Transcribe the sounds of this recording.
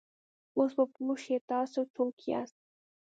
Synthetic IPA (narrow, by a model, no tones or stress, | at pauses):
osbəpluʃjet̪ɑsot͡sokʰia̰st̪̚